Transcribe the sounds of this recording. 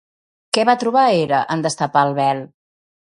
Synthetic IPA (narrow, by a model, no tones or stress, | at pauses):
kɛβat̪ɾuβ̞aeɾəʔənd̪əst̪əpaəlˠβɛl